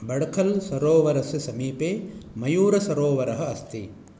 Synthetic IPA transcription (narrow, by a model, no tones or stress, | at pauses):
bɐɽɐkʰɐlsɐɾoːʋɐɾɐsɨsɐmiːpeːmɐjuːɾɐsɐɾoːʋɐɾɐɦɐ̆ɐst̪i